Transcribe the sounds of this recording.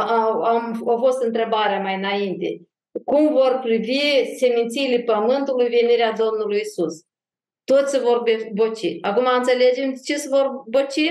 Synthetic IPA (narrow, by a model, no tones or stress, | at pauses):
aamowfo̞st̪ɨnt̪ɾe̞baɾeamajɨnaint̪e̞̰ | kumvo̞rpɾivise̞mint̪siːlepəmɨnt̪ulujve̞niɾead̪o̞mnulujisus | t̪o̞t̪sʲsevo̞rbebot͡ʃḭakumaɨnt̪se̞le̞d͡ʒe̞mt͡ʃesvo̞rbot͡ʃi